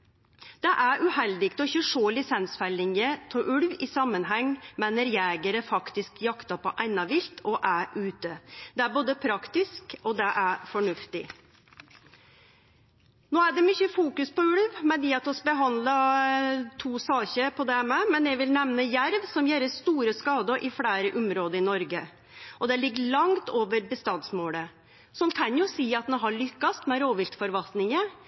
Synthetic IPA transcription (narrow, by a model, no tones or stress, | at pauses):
d̪̥ɛʔæɾʔʉhɛld̪ɪɡt̪ɔɪçəʂoːlɪsɛnsfɛlɪŋət̪ʰɔʔʉɽʋɪsɑmːənɦɛŋːmɛnəɾjɛːɡəɾəfɑkt̪ɪskjɑkt̪ɑpʰɔʔæɪnɑʋɪlt̪ʰɔʔæɾʔʉːt̪əd̪ɛæɾboːd̪əpʰɾɑkt̪ɪskɔd̪ɛʔæɾfɔɳʉft̪ɪ | noːæɖɛmʏçəfuːkʉspɔʉɽʋmɛd̪jɪːɑt̪ɔsbəɦɑnd̪lə | t̪ʰuːsɑːçəpʰɔd̪ɛmɛmɛnjɛʋɪlnɛʋnəjæɾʋsɔmjeːɾəst̪uːɾəskɑːd̪əʔɪfɽæːɾəʔʊmɾoːd̪əɾɪnɔɾɡə | ʔɔd̪ɛlɪɡːəɭɑŋt̪oːʋəɾbəst̪ɑnsmoːlə | sɔnkʰɑnjʊsiːɑt̪̚nɛɦɑɭʏkːɑst̪mɛɾoːʋɪlt̪fɔɾʋɑlt̪nɪŋə